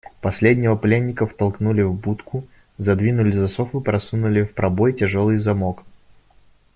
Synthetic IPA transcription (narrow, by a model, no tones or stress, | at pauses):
pɐsʲlʲedʲnʲɪvəplʲenʲːɪkəft̪ɐlˠknulʲɪvbut̪kʰʊ | zɐd̪vʲinʊlʲɪzɐsofɨpɾɐsunʊlʲɪfpɾɐbojtʲɪʐo̞lˠɨjzɐmok